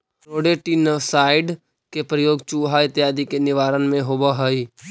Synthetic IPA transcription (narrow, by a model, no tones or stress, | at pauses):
ɾoːɖeʈiːnəsaːɪɖ | kepɾəjoːɡt͡ʃuɦaɪt̪jaːd̪ikenɪʋaːɾənmẽɦoːbaɦəi